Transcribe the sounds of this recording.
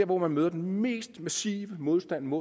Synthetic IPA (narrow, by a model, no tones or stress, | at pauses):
ɐʋɒmænmøːðˠɐd̥enme̝̰ːsd̥mæsḭːʋəmo̝ð̞ˠsd̥æn̰mo